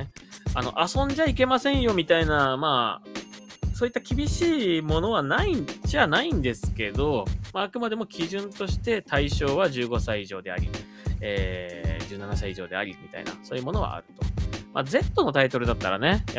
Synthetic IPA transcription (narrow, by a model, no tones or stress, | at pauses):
ano̞̰ʔasõ̞ɲ̟d͡ʑaike̞masẽ̞ɰ̃jo̞mʲit̪ainamaː | soːit̪ːakʲibʲiɕiːmo̞no̞β̞anaid͡ʑanaĩnd̪e̞sɨ̥ke̞d̪o̞maːkɯ̟mad̪e̞mo̞kʲiʑɨ̃nt̪o̞ɕi̥t̪e̞t̪aiɕo̞ːβaʑɨːɡo̞saiiʑo̞ːd̪e̞a̰ɾʲḭ | eːd͡ʑɨːnanasaiʑo̞ːd̪e̞a̰ɾʲimʲit̪a̰ḭna̰so̞ːjɯ̟mo̞no̞βa̰a̰ɾɯ̟t̪o̞̥ma̰d͡ze̞t̪ːo̞no̞t̪ait̪o̞ɾɯ̟d̪at̪ːaɾa̰ne̞